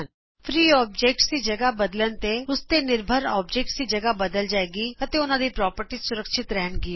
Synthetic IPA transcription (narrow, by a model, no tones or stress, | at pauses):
n | pʰɾiːɔːb̚d͡ʒeːk̚ʈsid͡ʒəɡabəd̪lənt̪eʊst̪enɪɾbʱəɾɔ̰ːbd͡ʒeːk̚ʈsiːd͡ʒəɡabəd̪əld͡ʒaːeːɡiːət̪eːʊnãːd̪iːpɾɔːpəɾʈisʊɾəkʃɪt̪ɾɛɦənɡi